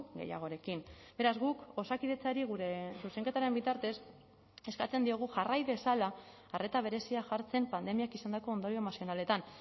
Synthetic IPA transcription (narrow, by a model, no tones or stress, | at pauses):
ɡe̞̰ja̰ɣ̞o̞ɾe̞kimbe̞ɾazɣuko̞sakiðe̞t͡saɾiɣ̞uɾe̞suse̞ŋke̞t̪aɾe̞mbit̪aɾt̪e̞s | e̞skat͡se̞nd̪io̞ɣ̞uʝarajβe̞salaː | re̞t̪aβ̞e̞ɾe̞siaʝaɾt͡se̞mpand̪e̞miakisand̪ako̞ːnd̪o̞ɾiomasijo̞nale̞t̪an